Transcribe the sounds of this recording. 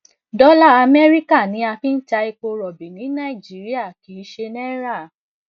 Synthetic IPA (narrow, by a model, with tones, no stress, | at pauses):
dɔ˦la˦˨a˧mɛ˦ɾi˦ka˦˨nĩ˨˦a˧fi˦n̩˦t͡ʃa˧i˧k͡po˧ɾɔ˨bi˨nĩ˨˦nã˦i˨d͡ʒi˨˦ɾi˦a˦˨ki˨˦ʃe˧nɛ˦ɾa˦˨